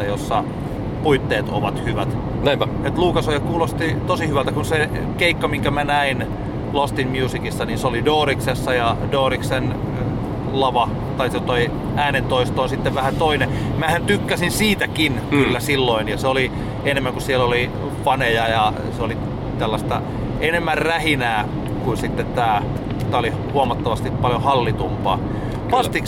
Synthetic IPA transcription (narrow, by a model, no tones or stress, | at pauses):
ɑjosːɑ | puit̪ːeːt̪o̰ʋɑt̪hyʋæt̪ | et̪luːkɑsojɑkkuːlost̪it̪osihyʋælt̪ækunse | keikːɑmiŋkæmænæin | lost̪inmjuːsikisːɑninseolidoːriksesːɑjɑdoːriksen | lɑʋɑ | t̪ɑiset̪oi | æːnent̪oist̪oːnsit̪ːeʋʋæhænt̪oine | mæhænt̪ykːæsinsiːt̪ækinkkylːæsilːoinjɑseoli | enemːæŋkussieloli | fɑnejɑjɑ | seoli | t̪ælːɑst̪ɑ̰ | enemːærræhinæː | kunsit̪ːet̪t̪ːæː | t̪æːoli | huomɑt̪ːɑʋɑst̪ippɑljohɑlːit̪umpɑ̰ː | ʋɑst̪ik